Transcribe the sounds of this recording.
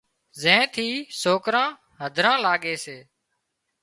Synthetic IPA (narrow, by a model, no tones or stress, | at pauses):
zẽːt̪ʰiːsoːkɾãː | ɦəd̪ʱɾãːlaːɠeːseː